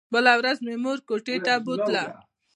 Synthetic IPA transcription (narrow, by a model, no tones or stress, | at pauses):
bəlawɾazmemuɾkoʈet̪abut̪la